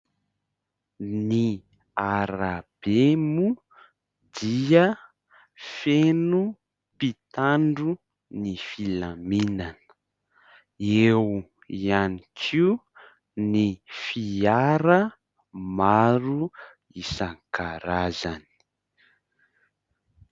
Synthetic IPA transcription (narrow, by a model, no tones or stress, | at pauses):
ni | aɾab̥emu | d̪iə | fenu | pit̪aɳɖ͡ʐu | nifilaminanə̥ | ew | ianikʰi | nifiaɾə | maɾu | isaŋkaɾaza̰ni̥